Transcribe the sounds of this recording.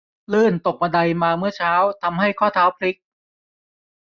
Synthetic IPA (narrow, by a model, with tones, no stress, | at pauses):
lɯː˥˩nt̪o˨˩k̚ma˧da˧jmaː˧mɯ˥˩ɐt͡ɕʰaː˦˥wt̪ʰa˧mha˥˩jkʰɔː˥˩t̪ʰaː˦˥wpʰli˦˥k̚